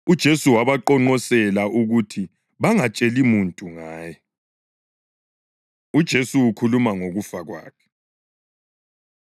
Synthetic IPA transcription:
ud̥ʒ̥ʱesuwaβaǃɔŋ͡ǃɔsɛlaʔuɣutʰi | βaŋat͡ʃʼelimuntʼuŋaːjɛ | ud̥ʒ̥ʱesuːkʰulumaŋoɣufaɣwa̰ːkʰɛ̥

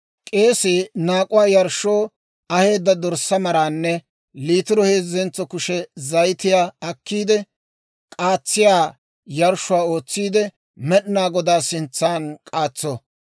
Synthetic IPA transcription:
kʼe̞ːsenaːkʼʊwaːjɐɾʃːoː | ɐhe̞ːd̪ːɐd̪ɔɾsɐmɐɾaːnːɛ | liːt̪ɪɾɔheːzːɛnt͡sːɔkʊʃɛzɐjt̪ɪjaːɐkːiːd̪ɛ | kʼaːt͡sːɪjaː | jɐɾʃʊwaːo̞ːt͡sːiːd̪ɛ | mɛɗɪnaːɡɔd̪aːsɪnt͡sːaːnkʼaːt͡sːɔ

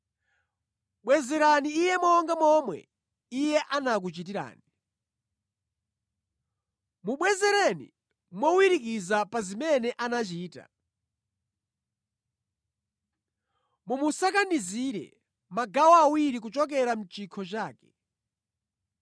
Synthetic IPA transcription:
ɓwɛzɛɾaniːjɛmɔŋɡamɔmwɛ̰ | ijɛʔanak̬ut͡ʃit̬iɾa̰ːni | muɓwɛzɛɾɛnḭ | mwɔwiɾikizapazimɛnɛʔanat͡ʃiːta̰ | mumusakaniziɾɛ̰ | maɡawaːwiɾik̬ut͡ʃɔk̬ɛɾam̩t͡ʃikʰɔt͡ʃaːkɛ̥

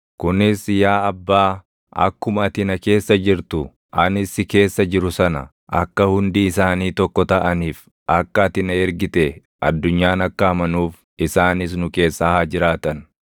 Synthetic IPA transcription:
kʊnɪsjaːɐbːaː | ʔɐ̰kːʊmɐɐt̪ɪnɐke̞ːsːɐd͡ʒɪɾt̪ʊ | ʔɐnɪsɪke̞ːsːɐd͡ʒɪɾʊsɐnɐ̰ | ʔɐ̰kːɐhʊnd̪iːsaːniːt̪ɔkːɔt̪ɐʔɐniːf | ʔɐkːɐt̪ɪnɐɛɾɡɪt̪ɛ | ʔɐ̰d̪ːʊɲːaːnɐkːɐhɐmɐnuːf | ɪsaːnɪs̬nʊke̞ːsːɐhaːd͡ʒɪɾaːt̪ɐn

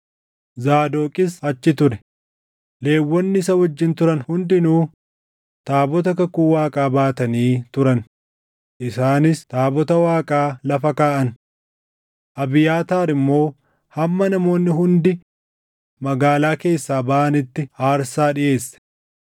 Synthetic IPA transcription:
zaːd̪oːkʼɪsɐt͡ʃːɪt̪ʊɾɛ | le̞ːwːɔnːɪɪsɐhɔd͡ʒːɪnt̪ʊɾɐnhʊnd̪ɪnuː | t̪aːbɔt̪ɐkɐkuːwaːkʼaːbaːt̪ɐniːt̪ʊɾɐn | ʔɪsaːnɪst̪aːbɔt̪ɐwaːkʼaːlɐfɐkaːʔɐn | ʔɐbɪjaːt̪aːɾɪmːo̞ː | hɐmːɐnɐmo̞ːnːɪɦʊnd̪ɪ | mɐɡaːlaːke̞ːsːaːbɐʔɐnɪt̪ːɪhaːɾsaːᶑɪʔe̞ːsːɛ̥

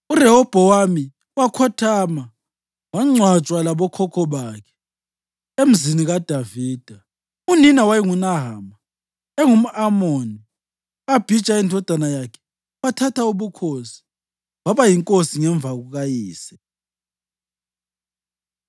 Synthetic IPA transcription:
urɛɦɔb̥ʱɔwami | wakʰɔtʰaːma | waŋ͡ǀʱwat͡ʃʼwalaβɔkʰɔkʰɔβaːkʰɛ̥ | em̩ziniɣad̥ʱaviːd̥ʱa | uninawajiŋunaɦaːma | ɛŋum̩ʔamoni | ab̥ʱi̥t͡ʃʼaindʱɔd̥ʱanajakʰɛ̥ | watʰatʰauβukʰosi̥ | waβajiŋkʼosiŋɛɱb̪vʱaɣuɣajiːsɛ

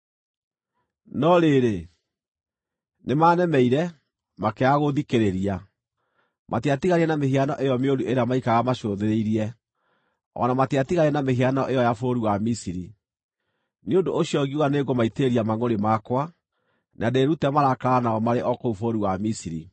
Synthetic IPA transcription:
nɔɾeɾe | nemanɛmɛiɾɛ | makeaɣoðikeɾeɾia | mʔatiatiɣaɾiɛnameɦianɔʔejɔmeoɾuʔeɾeamaikaɣamaʃoðeɾeiɾiɛ | ɔ̰namateatiɣaɾiɛnameɦianɔʔejɔjafoɾuwamisiɾi | neondoʔːɕiɔɣiuwaneːɡomaiteeɾiamaŋoɾemakwa | nʔadeɾutɛmaɾakaanaɔmaɾeʔɔkoufoɾuwamisiɾḭ

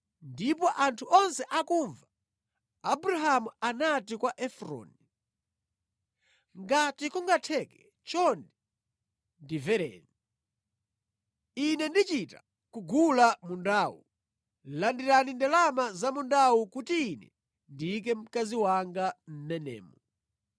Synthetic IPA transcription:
ndipɔʔantʰuʔɔnsɛʔakuɱva | abuɾaɦamuanatikwaʔɛfɾɔ̰ni | ŋɡatikuŋɡatʰɛkɛ | t͡ʃɔndi | ndivɛɾɛ̰ni | inɛndit͡ʃita | kuɡulamundaːwu | landiɾanindɛlamazamundawukutiːnɛ̰ | ndik̬ɛm̩kaziwaŋɡam̩mɛnɛ̰ːmɔ

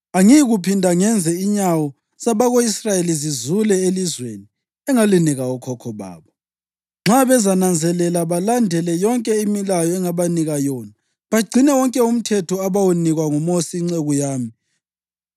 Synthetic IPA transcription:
aŋiɣupʰindʱaŋɛnd͡zʱɛiɲawɔ | saβaɣoisrajelizizulɛelizweni | ɛŋaliniɣaɔkʰɔkʰɔβa̰ːβɔ | ŋ͡ǁʱaβɛzanand͡zʱɛlɛlaβalandʱɛlɛjɔŋkʼɛimilajɔɛŋaβaniɣajɔːna | βaɡ͡ǀʱinɛwɔŋkʼɛum̩tʰɛtʰɔaβawuniɣwaŋumosiŋ͡ǀeɣujaːmi

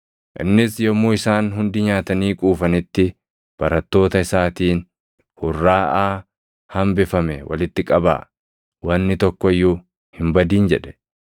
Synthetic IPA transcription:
ʔɪ̰nːɪsjɔmːoːɪsaːnɦʊnd̪ɪɲaːt̪ɐniːkʼuːfɐnɪt̪ːɪ | b̥ɐɾɐt̪ːo̞ːt̪ɐɪsaːt̪iːn | hʊrːaːʔaː | hɐmbɪfɐmɛwɐ̰lɪt̪ːɪkʼɐba̰ː | wɐnːɪt̪ɔkːɔɪjːʊ | hɪmbɐd̪iːnd͡ʒɛᶑɛ̥

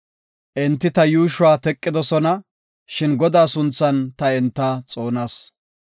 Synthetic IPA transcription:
ʔɛnt̪ːɪt̪ɐjuːʃʊwaːt̪ɛkʼːɪd̪ɔsɔnɐ | ʃɪnɡɔd̪aːsʊnt͡sːɐnt̪ɐɛnt̪ːɐt͡sʼo̞ːnaːs

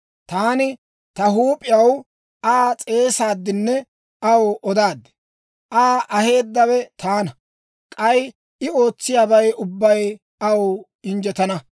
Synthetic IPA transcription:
t̪aːnɪ | t̪ɐɦuːpʼɪjɐw | aːt͡sʼe̞ːsaːd̪ːɪnːɛ | ʔɐwɔd̪aːd̪ːɛ̥ | ʔaːʔɐhe̞ːd̪ːɐwɛt̪ʰaːnɐ | kʼɐj | ɪo̞ːt͡sːɪjaːbɐjʊbːɐj | ɐw | ɪnd͡ʒɛt̪ɐnɐ

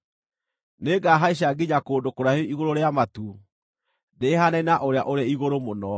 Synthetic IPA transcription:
neːɡaɦaiɕ̬aɡiɲakoːndokoɾaheiɣoɾoɾeamatu | dehanɛnaʔoɾeaʔoɾeiɣoɾomonɔ

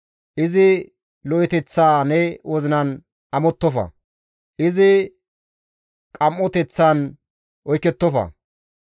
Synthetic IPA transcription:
ʔɪzɪ | lɔjɪt̪ɛt͡sːaːnɛwɔzɪnɐn | ʔɐmɔt̪ːɔfɐ̰ | ʔɪzɪ | kʼɐmːɔt̪ɛt͡sːan | ʔɔjkːɛt̪ːɔfɐ̰

